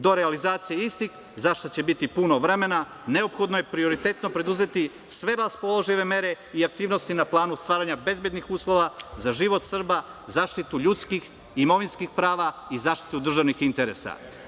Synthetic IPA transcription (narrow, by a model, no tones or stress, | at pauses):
d̪o̞ɾealizaːt̪sijeist̪ix | zaʃt̪ot͡ɕe̞bit̪ipunoʋɾe̞me̞na | ne̞o̞pxo̞d̪nojepɾio̞ɾit̪e̞t̪no̞pɾe̞d̪uze̞t̪i | sʋe̞ɾaspolˠoʒiʋe̞me̞ɾe̞ | iak̚t̪iːʋno̞st̪inaplˠaːnust̪ʋaːɾaɲabe̞zbje̞d̪nixuːslˠo̞ʋazaʒiʋo̞t̪sr̩bazaːʃt̪it̪uʎut̪skix | imo̞ʋinskixpɾaːʋaizaːʃt̪i̥t̪ud̪r̩ʒaʋnixint̪e̞ɾḛsa̰